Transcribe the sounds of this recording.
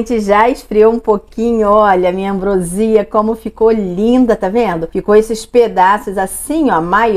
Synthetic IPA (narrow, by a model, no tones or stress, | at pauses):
t͡ʃɪʒaɪʃfɾiowũpokĩɲʊɔʎɐmĩɲɐɐ̃bɾoziɐkõmʊfikolĩd̪ɐt̪avẽnd̪ʊfikowesɪsped̪asʊzasĩɔmaj